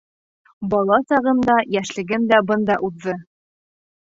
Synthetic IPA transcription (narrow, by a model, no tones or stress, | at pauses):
bɒlˠɑsɑʁɤ̆nd̪ɑjæʃlɘ̆ɡɘmd̪æbɤnd̪ɑʔuðːɤ